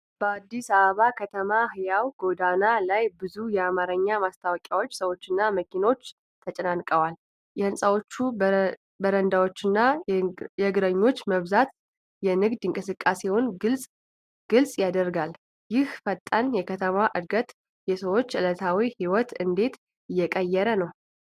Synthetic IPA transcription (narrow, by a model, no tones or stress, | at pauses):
b̥əad̪ːisaβəβakʰət̪ʰəmahɨjawɡ̥o̞d̪analajbɨzujɛamaɾəɲːamast̪ʰawɔkʲʼawo̞t͡ʃːsəwo̞t͡ʃːɨnːaməkʰino̞t͡ʃː | t̪ʰət͡ʃʼənankʼəwal | jɛhɨnsʼawo̞t͡ʃːu | bəɾənd̪awo̞t͡ʃːɪnːa | jɛɡɾəɲːo̞t͡ʃːməβzat̪ | jɛnɨɡd̪ɨŋkʼɨsɨkʼːasewonɨlsʼ | ɡ̥ɨlsʼjad̪ərɡal | jɪhfət̪ʼːənjɛkʰət̪ʰəmaʔɨd̪ɡət̪ | jɛsəwo̞t͡ʃːʔɨlət̪ʰawihiwɔt̪ɨnd̪e̞t̪ | ɨjːɛkʼəjːɛɾənəw